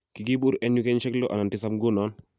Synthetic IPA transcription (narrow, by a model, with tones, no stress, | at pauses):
ki˨ɡi˦bu˦ɾɛ˦nju˦kɛ˦ɲʃɛ˦klo˦ʔa˨na˨ntɪ˦sa˦mɡu˦nɔ˦n